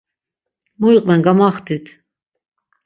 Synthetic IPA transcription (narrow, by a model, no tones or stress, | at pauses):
muiqʼvɛnɡamaχt̪ʰit̪ʰ